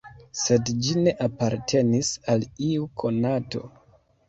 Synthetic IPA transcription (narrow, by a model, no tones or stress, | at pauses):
se̞dd͡ʒine̞ʔapaɾtʰe̞nisaliukʰo̞nato̞̰